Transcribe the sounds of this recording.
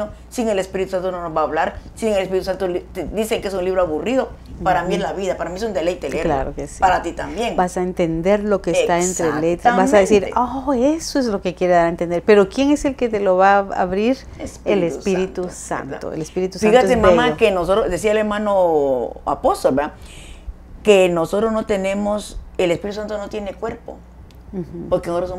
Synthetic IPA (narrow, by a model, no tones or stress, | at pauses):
o | siŋelespiɾit̪usant̪ononozβaːβlaɾsiŋelespiɾit̪usant̪olt̪d̪iseŋkeesunliβɾoaβuriðo | paɾamieslaβiðapaɾamiesund̪elejt̪elekla̰ɾokesipaɾat̪it̪ambjeŋbasaent̪e̞nd̪e̞ɾlo̞kest̪aent̪ɾelet̪ɾbasaðesiɾoesoeszlo̞kekjeɾeðaɾaent̪end̪eɾpe̞ɾo̞kje̞ŋe̞se̞lket̪elo̞βaa̰βɾiɾ | elesspiɾit̪usa̰nt̪o̰ḛlespiɾit̪usfainɣaoemaemaokenosot̪ɾosd̪es̬ialeɾmãnoa̰post̪olbea | kenosot̪ɾoznot̪enẽ̞moselespiɾit̪usant̪onot̪jenekweɾpo̰ | h̩poɾkenot̪ɾoso